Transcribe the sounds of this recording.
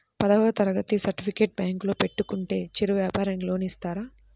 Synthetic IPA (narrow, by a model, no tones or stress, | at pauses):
pɐd̪ɐʋɐt̪ɐɾɐɡɐt̪isɐɾʈipʰikeːʈ̚bjaːŋkloːpe̞ʈːukuɳʈe̞ːt͡ʃiɾuʋjaːpaːɾɐŋlo̞ːnist̪aːɾaː